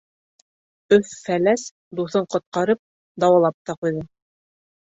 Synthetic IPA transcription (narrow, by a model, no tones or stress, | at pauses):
ɵfːælæs | d̪uθɤɴqŏt̪̚qɑɾɤp̚ | d̪ɑwɑlˠɑp̚t̪ɑqujðɤ